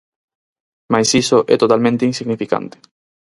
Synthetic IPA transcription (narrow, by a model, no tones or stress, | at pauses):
majsisoʔɛ̰t̪ot̪almẽnt̪einsiɣnifika̰nt̪e̥